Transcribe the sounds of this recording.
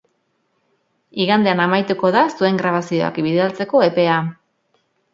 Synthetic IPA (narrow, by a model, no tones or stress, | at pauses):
iɣand̪e̞anamajt̪uko̞ðasue̞ŋɡɾaβ̞asio̞̰a̰kbiðealt͡se̞ko̞e̞pe̞a